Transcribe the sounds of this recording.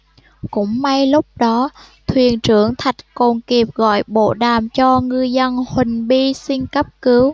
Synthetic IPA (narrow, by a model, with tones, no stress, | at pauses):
kʊ̰˧˥ŋ͡mma˧jlʊ˦˥p̚ɗɔ˨˦ | t̪ʰwi˨˩ənt͡ɕɨ˧˩əŋt̪ʰa˨˩jt̚ko˨˩nki˨˩əp̚ɣɔ̰˧˨jɓo̰˧˨ɗaː˨˩mt͡ɕɔ˧ŋɨ˧əjzə˧nhwï˨˩ŋ̟ɓi˧si˧ŋkə˦˥p̚kɨ˨˦w